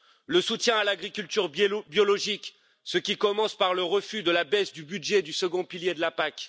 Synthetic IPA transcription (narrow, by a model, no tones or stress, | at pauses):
ləsut̪jɛ̃alaɡʁikʲylt̪yʁbjɔlɔʒik | səkʲikɔmɑ̃spaʁləʁəfyd̪əlabɛsd̪ybydʒed̪ysəɡɔ̃piljed̪əlapak